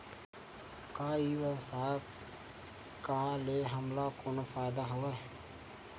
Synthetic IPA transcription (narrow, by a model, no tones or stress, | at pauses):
kaːiwəsaː | kaleɦəmlakonfaːɪd̪aɦoʋe